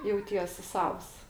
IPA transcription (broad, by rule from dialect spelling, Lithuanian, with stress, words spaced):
jɛʊˈtʲiɛsʲ ˈsɐws